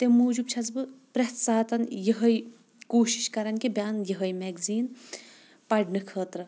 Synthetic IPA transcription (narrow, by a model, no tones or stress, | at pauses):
t̪emuːd͡ʒub̚t͡ʃʰɐzbɨpɾɐt̪saːt̪ɐnjɐɦɐj | koːʃi̥ʃkɐɾɐnkibʲaːnjɐɦɐjmɛːɡziːn | pɐɖnɨkʰəːt̪ɾɐ